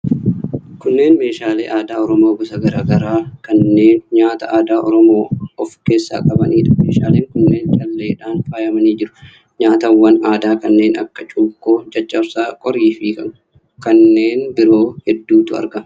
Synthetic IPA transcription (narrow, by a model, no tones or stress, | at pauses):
kʊnːe̞ːnme̞ːʃaːlḛːʔaːd̪aːɔɾɔmoːbʊsɐɡɐɾaːɡɐɾaːkɐnːe̞ːnɲaːt̪ɐʔaːd̪aːʔɔɾɔmo̞ːɔfke̞ːsːa̰ːkʼɐbɐnʔiːᶑɐ̥meːʃaːleːŋkʊnːe̞ːnt͡ʃʼɐlːe̞ːᶑaːnfaːjɐmɐniːd͡ʒɪɾʊ̥ | ɲaːt̪ɐwːɐnaːd̪aːkɐnːe̞ːnɐ̰kːɐt͡ʃʼuːkːo̞ːd͡ʒɐt͡ʃʼːɐbsaːkʼɔɾiːfiːkɐ | kɐnːe̞ːnbɪɾo̞ːhɛd̪ːuːt̪ʊɐ̰ɾɡɐ